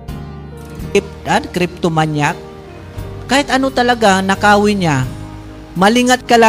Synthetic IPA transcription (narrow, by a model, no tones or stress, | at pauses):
ɪp̚t̪ad̪kɾɪp̚t̪omaɲjak̚ː | aːjɪt̪ɐnot̪ɐlaɡanakaːwɪɲa | malɪŋat̪̚kɐla